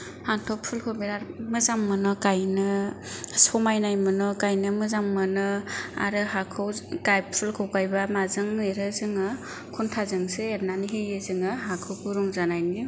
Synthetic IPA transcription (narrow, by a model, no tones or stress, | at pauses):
hantʰɔpʰulkʰɯbiɾaɾmɯzamːɯnɔkajnɯ | sɔmajnajmɯnɔkajnɯmɯzaŋːɯnɯa̰ɾɯɦakʰɯwkajp̚pʰulkʰɯwkajbamazɯŋɯɾɯzɯŋɯ | kʰuntʰazɯŋseːɾnaniɦejɯzɯŋɯɦakʰɯwkʰuɾuŋzanajni